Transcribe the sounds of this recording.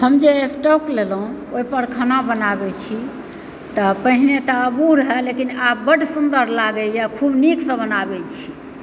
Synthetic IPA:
həmd͡ʒesʈoklelɦũoipəɾkʰanabənabɛt͡ʃʰi | t̪ɔpəɦinet̪ɔəbuɾəɦɛlekinabəʈsund̪əɾlaɡɛjakʰubniksə̃bənabɛt͡ʃʰi̥

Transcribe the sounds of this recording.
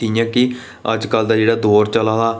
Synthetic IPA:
iːjãːkɪ | ə̰d͡ʒkəld̪aːd͡ʒeːɽaːd̪oːɾt͡ʃəlaːd̪aː

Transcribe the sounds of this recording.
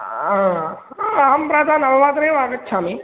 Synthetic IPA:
aː | aːmpɾaːd̪ʱaːnɐʋɐʋaːt̪ɐɾeʋaːɡɐt͡ʃːsaːmi

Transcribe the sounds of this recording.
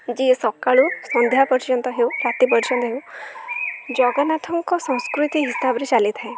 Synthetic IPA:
d͡ʒisɔkaɭusɔnd̪ʱjapɔɾd͡ʒɔnt̪ɔɦewkaʈipɔɾt͡ʃɔnt̪ɔɦew | d͡ʒɔɡanat̪ʰɔŋkɔsɔ̃ŋ̃skɾut̪iɦisabɔɾet͡ʃalit̪ʰae

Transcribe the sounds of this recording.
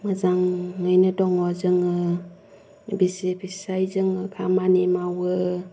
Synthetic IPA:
mɯzaŋːɯjnɯdɔŋɔzɯŋɯ | bisepʰisajzɯŋɯkʰamanimawɯ

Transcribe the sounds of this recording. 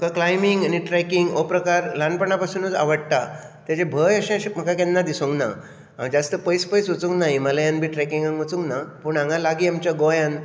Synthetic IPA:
mkaklajmiŋɡaniʈɾɛkiŋɡopɾəkaɾlanpəɳapasuːnud͡za̰ʋəɽt̪a | t̪jat͡ɕẽbʱəjəɕẽɕem̤əkakanːad̪isõŋkna̰ | ãd͡zast̪əpəjspəjsʋot͡sũŋknaɦiməlajanbʱiːʈɾɛkiŋɡãŋʋot͡sũŋknapuɳãŋalaɡiːamt͡ɕjaɡojãn

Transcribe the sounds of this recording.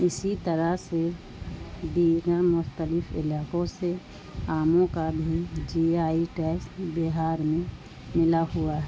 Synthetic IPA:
ɪsit̪əɾəse | b̪iːɡəɾmʊxt̪əlɪpʰɪ̰laːkõse | aːmõkabʱid͡ʒiaːiʈɛːksbɪɦaːɾmẽ | mɪlaɦuaɦɛ

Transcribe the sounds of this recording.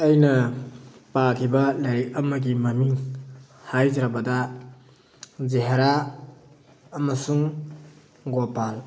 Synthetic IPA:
ɐjnɐ | pakʰibɐlɐjɾik̚ɐmɐɡimɐmiŋ | hajd͡ʒɾabɐdɐ | zeɦeɾa | ɐmɐsuŋ | ɡopal

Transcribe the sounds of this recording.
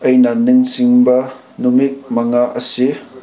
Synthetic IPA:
ʔɐjnanɯŋsiŋbɐ | numik̚mɐŋaʔɐsi

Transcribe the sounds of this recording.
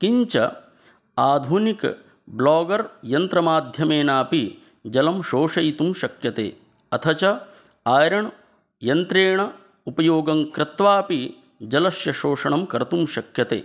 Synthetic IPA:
kiɲt͡ʃɐ̰ | aːd̪ʱunik | blaːɡɐɾjɐnt̪ɾɐmaːd̪ʱjɐmeːnaːpi | d͡ʒɐlɐmʃoːʂɐjt̪umʃɐkjɐt̪ḛː | ɐt̪ʰɐt͡ʃɐ | aːɾɐɳ | jɐnt̪ɾeːɳɐ | upɐjoːɡɐŋkɾɪt̪ʋaːpi | d͡ʒɐlɐʃjɐʃoːʂɐɳɐmkɐɾɐt̪umʃɐkjɐt̪ḛː

